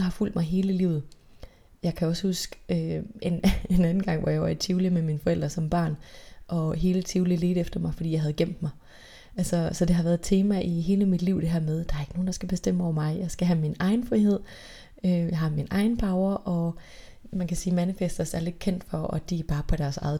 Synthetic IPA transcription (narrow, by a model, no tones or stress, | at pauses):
ɑhɑ̈ful̰d̥mɑ̈ɪɦe̝ːləlḭːʊð̩ˠ | jɑ̈ɪkʰæɒ̽shusɡ̥øenenænn̩ɡ̥ɑ̈ŋ̰ʋɒjɑ̈ɪʋɑt͡sʰiʊlimeminfɒ̽el̰d̥ʁɐsɒ̽mb̥ɶ̰ɐ̰ːnʔɒ̽ɦe̝ːlət͡sʰiʊlileːɾ̥efd̥ɐmɑ̈ɪfɒdḭjɑ̈ɦæðˠɡ̥em̰d̥mɑ̈ɪ | ʔælsɒsɒ̽d̥e̝ɦɑ̈ʋæɐð̩̥ˠt͡sʰe̝ːmæʔiɦe̝ːləmid̥liʊ̰d̥e̝ɦæɐmeð̞ˠd̥ɑ̈ɐe̝ɡ̥əno̝ːn̩d̥ɑ̈sɡ̥æb̥e̝sd̥em̰əɒʊ̰ɐmɑ̈ɪjɑ̈ɪsɡ̥æɦæminɑ̈ɪn̩fʁiɦe̝ð̞̰ˠ | øjɑ̈ɪɦɑ̈minɑ̈ɪn̩bʰɑ̈ʊɐʔɒ̽ | mænkʰæsiːmænifesd̥ɐsæɐle̝d̥kʰen̰d̥fɒ̽ɒd̥iæb̥ɑ̈ːpʰɒ̽d̥æɐsɑ̈ɪð̩ˠ